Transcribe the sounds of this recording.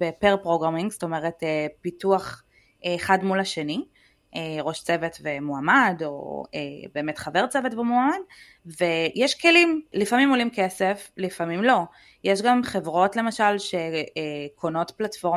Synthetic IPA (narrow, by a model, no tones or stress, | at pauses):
bepeʁpʁo̞ɡʁamiŋɡsto̞meʁetepituaχː | χadmulaʃe̞ni | ʔeʁo̞ʃt͡se̞vetvemuamado̞̰ḛbe̞ːmetχave̞ʁt͡sevetvemuamad̚ | vejeʃke̞limlifamimo̞limkeseflifamimlo̞ | jeʃɡamχe̞vʁo̞tle̞maʃalʃe̞ekʰono̞tplatfo̞ʁ